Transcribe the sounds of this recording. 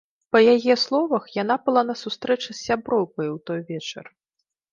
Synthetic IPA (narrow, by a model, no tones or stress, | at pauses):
pɐjajɛslˠɔvɐxjan̪apɨlˠanɐsust̪ɾɛt͡ʂɨsːʲabɾɔwkɐjwt̪ɔjvʲɛt͡ʂɐ̰r